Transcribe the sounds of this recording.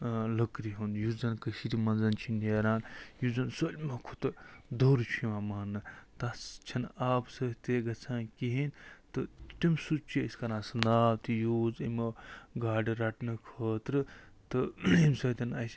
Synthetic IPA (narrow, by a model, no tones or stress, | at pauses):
ləkɾiɦunjuzɐnkəʃiɾimɐnzɐnt͡ʃʰineːɾaːnjuzɐnsolʲmɐkʰut̪ɨd̪oɾt͡ʃʰiʋãːmaːnːɨt̪ast͡ʃʰɐnaːbsɐt̪eɡɐt͡sʰãːnkiɦint̪ɨt̪imsut͡ʃiəskɐɾãːsɨnd̪aːt̪ijoːzimɡaːɖiɾɐʈnɐkʰəːt̪ɾɨt̪ɨimsɐt̪ʲɐnasʲ